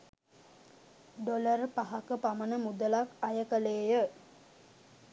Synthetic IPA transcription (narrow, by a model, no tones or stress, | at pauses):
ɖoləɾpaɦakəpamənəmud̪əlakajəkəleːjə